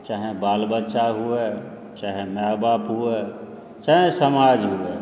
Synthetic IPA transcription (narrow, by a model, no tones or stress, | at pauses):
t͡ʃaɦẽbaːlbətːʃaɦue | t͡ʃaɦẽmabapɦue | t͡ʃaɦẽsəmaːd͡ʒɦue